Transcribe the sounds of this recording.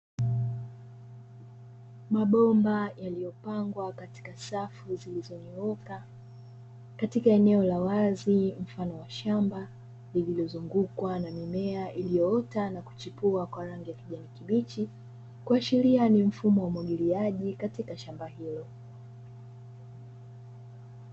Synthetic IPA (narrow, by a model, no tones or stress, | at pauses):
maɓɔmbajalijɔpaŋɡwakati̥kasafuzilizɔniɔka | katikaɛnɛɔlawazim̩fanɔwaʃamba | lililɔzuŋɡukwanamimɛaʔilijɔɔtanaku̥t͡ʃipuakwaɾaŋɡijakiʄanikiɓit͡ʃi | kuaʃilianim̩fumɔwaumwaɠiliaʄikatikaʃambaɦilɔ